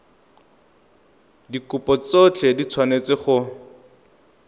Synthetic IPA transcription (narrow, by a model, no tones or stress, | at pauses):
dikʊpɔt͡sot͡ɬedit͡sʰwanet͡sɪχʊ